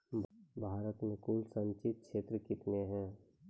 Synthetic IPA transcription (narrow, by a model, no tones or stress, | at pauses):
bʱaːɾət̪mẽkuːlsə̃nt͡ʃɪt̪̚kʃeːt̪ɾəkɪt̪neɦɛ̃ː